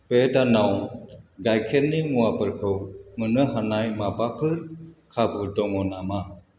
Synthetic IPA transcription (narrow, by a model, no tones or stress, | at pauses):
pedanawɡajkʰeɾnimuapɯɾkʰɯwŋɯnɯɦanajmapapʰɯɾkʰabudɔŋɔnama